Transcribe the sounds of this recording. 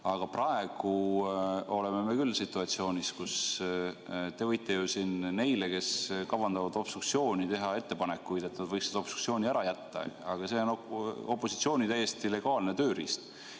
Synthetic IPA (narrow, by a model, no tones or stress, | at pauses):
ɑɡ̥ɑprɑe̞ɡ̥u | o̞le̞me̞mekylːsit̪ːˑuɑt̪sio̞ːnʲiskus | t̪e̞vɤjt̪ːˑe̞jusinne̞jle̞ke̞skɑwvɑnd̪ɑvɑd̪o̞pst̪ukt̪sio̞ːnʲit̪e̞ɦɑe̞t̪ːe̞pɑne̞kːujd̪̥e̞t̪nɑd̪vɤjksed̪ɑo̞psu̥k̪sioːnʲiæɾɑjæt̪ːɑ̰ɑɡ̥ɑse̞ono̞pːˑo̞si̥t̪sio̞ːnʲit̪æjːe̞st̪ile̞ɡ̥ɑːlne̞t̪øːɾḭst̪